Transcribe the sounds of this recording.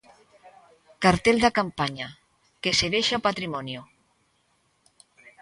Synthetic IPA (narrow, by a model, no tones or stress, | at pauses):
kaɾt̪eld̪akampaɲa | keseβeʃapat̪ɾimɔnjo